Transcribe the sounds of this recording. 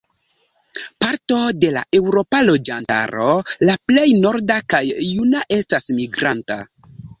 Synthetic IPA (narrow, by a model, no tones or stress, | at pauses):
paɾto̞de̞la̰ʔe̞wɾo̞palo̞d͡ʒanta̰ɾo̞laple̞jno̞ɾdakajːunaʔe̞stasmiɡɾanta̰